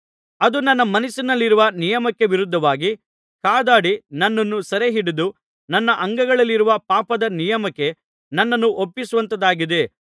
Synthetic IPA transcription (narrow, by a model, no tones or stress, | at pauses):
ɐd̪unɐnːɐmɐnisinɐlːiɾuʋɐnijɐmɐkːe̞ʋiɾud̪ʱːɐʋaːɡi | kaːd̪aːɽinɐnːɐnːusɐɾeɦiɽid̪u | nɐnːɐʔɐŋɡɐɡɐɭɐlːiɾuʋɐpaːpɐd̪ɐnijɐmɐkːe̞ | nɐnːɐnːuʔopːisuʋɐnt̪ɐd̪aːɡid̪e̞